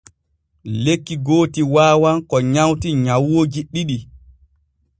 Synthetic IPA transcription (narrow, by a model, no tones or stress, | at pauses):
lekːiɡoːtiwaːwankɔɲawtiɲawːod͡ʒiɗiɗi